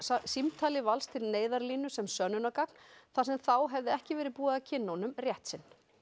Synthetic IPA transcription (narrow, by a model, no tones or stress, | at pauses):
simt̪ʰaːlɪvalst̪ʰɪlneːjðaɾliːnʏsɛmsœːnʏnakakn̥θasɛmθawɦɛvðɪɛhcɪvɛːɾɪpuːaðacʰɪnːawnʏmrjɛht̪sɪn